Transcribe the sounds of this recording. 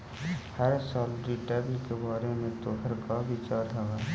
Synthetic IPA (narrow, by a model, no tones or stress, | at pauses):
həɾsaːlɖiːʈabikebaːɾemẽt̪oːɦəɾkaʋɪt͡ʃaːɾɦɛɡaː